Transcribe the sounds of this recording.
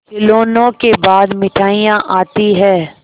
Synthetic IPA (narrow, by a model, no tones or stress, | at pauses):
kɪloːnõkebaːd̪mɪʈʰaːijãʔaːt̪iɦɛː